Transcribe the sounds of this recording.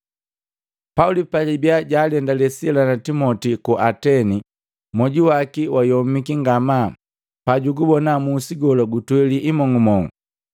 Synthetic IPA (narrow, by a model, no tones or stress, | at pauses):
paulipalibiaɟaːlɛndalɛsilanatimɔtikuʔatɛni | mɔɟiwakiwajɔmikiŋɡama | paɟuɡubɔnamuːsiɡɔlɔɡutwɛliʔimɔŋɡumɔŋɡu